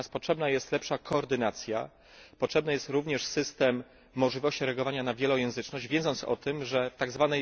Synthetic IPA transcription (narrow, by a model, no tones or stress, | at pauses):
aspɔtʂɛbnajɛst̪lɛpʂakʰɔːɾd̪ɘnat̪sʲja̰ | pɔtʂɛbnajɛst̪ɾuvɲɛʂsɘst̪ɛmː | ɔʐlʲivɔɕt͡ɕiɾɛaɡɔvaɲanavʲjɛlɔjɛ̃w̃zɘt͡ʂnɔʑd͡ʑvʲɛ̃nd̪zɔnt̪sɔ̰t̪ɘmʐɛft̪aɡzvanɛj